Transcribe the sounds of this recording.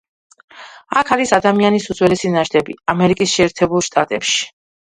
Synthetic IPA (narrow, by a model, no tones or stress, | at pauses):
akʰaɾisad̪amianisud̪zwɛlisinaʃd̪ʰɛbḭamɛɾikʼisʃɛːɾt̪ʰɛbulˠʃt̪ʼat̪ʼɛpʃi̥